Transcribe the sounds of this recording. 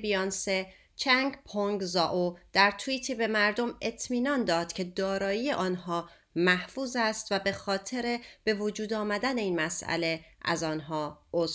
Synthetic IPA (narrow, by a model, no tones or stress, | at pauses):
bijɒnse | t͡ʃʰæŋɡpʰoŋɡzɒːʔod̪̥æɾt̪ʰuiːt̪ʰiːbe̞mæɾd̪o̞me̞t̪ʰmiːnɒnd̪ɒːd̪̥cʰe̞d̪ɒːɾɒːjiːje̞ʔɒːnɦɒː | mæhfuːzæst̪væbe̞xɒːt̪ʰe̞ɾe̞b̥e̞vod͡ʒuːd̪ɒːmæd̪æne̞iːnmæsæ̰le̞ʔæ̰zɒːnɦɒːʔoz